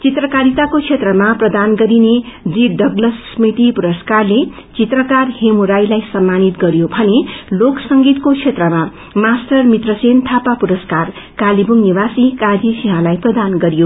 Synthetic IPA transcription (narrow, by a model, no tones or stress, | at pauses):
t͡sit̪rʌkaɾit̪akot͡sʰet̪rʌmaprʌd̪anɡʌɾined͡ziɖʌɡlʌsːmit̪ipuɾʌskarle | t͡sit̪rʌkarhemuɾajlajsʌmːanit̪ɡʌɾjobʱʌneloksʌŋɡit̪kot͡sʰet̪rʌma | masʈʌrmit̪rʌsent̪ʰapapuɾʌskar | kalibumniwasikad͡zisiɦãlajprʌd̪anɡʌɾjo